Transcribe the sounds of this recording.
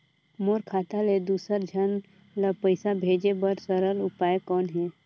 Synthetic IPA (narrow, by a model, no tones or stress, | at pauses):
moːɾkʰaːt̪aled̪uːsəɾd͡ʒʱən | ləpəɪsabʱeːd͡ʒebəɾsəɾəlʊpaːekɔːnɦɛː